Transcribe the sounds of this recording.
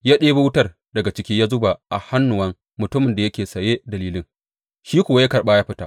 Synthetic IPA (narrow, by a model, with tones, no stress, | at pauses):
jaː˦ɗeː˦ba˦wʊ˦tɐ˦r | dɐ˨ɡa˨t͡ʃɪ˦kʲiː˦jaː˦zʊ˦ba˨ʔa̰˨ha˦nːʊ˨wɐ˦ŋ | mʊ˨tʊ˦mɪ˨nda˨jɐ˦kʲeː˨sɐ˨jeː˦dɐ˨liː˦lɪ˦ŋ | ʃiː˦kʷʊ˨wa˦ja˦kɐ˨rɓaː˦jaː˦ɸɪ˦ta˦ʔ